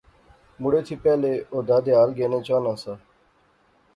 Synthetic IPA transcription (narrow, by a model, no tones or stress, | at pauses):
mʊɽeːt̪ʰiːpɛːleːoːd̪aːd̪eːaːlɡeːnẽːt͡ʃaːnãːsaː